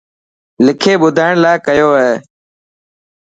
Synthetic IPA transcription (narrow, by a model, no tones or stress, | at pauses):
lɪkʰeːɓʊd̪ʱaːɪɳlaːkəjoːɦeː